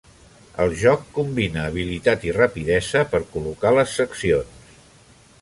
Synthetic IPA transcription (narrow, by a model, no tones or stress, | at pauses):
ə̰lˠʒɔkːumbinəːβ̞ilit̪at̪irəpiðɛzəpəɾkulukaləsːəksions